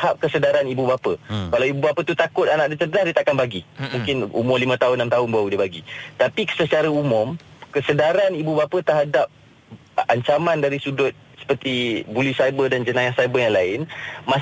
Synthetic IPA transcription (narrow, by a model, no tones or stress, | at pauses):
hap̚kəsədaɾanibubapəkalawibubapət̪ut̪akʊt̪̚anãʔ̚dit̪əənahdit̪akanbaɡimũŋkɪnṵmʊlimə̃t̪aɦʊnːamt̪aɦʊnbaudibaɡit̪apisət͡ʃaɾəumʊmkəsədaɾanibubapət̪ərɦadap̚ | aɲt͡ʃamãndaɾisudʊt̪̚sə̥pərt̪ibulisajbədand͡ʒənãjasajbəjaŋlaɪnmã